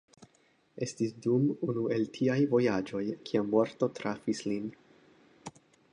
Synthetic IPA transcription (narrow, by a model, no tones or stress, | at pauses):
e̞stisdumunue̞ltʰiajvo̞jad͡ʒo̞jkʰiamo̞ɾto̞tɾafislin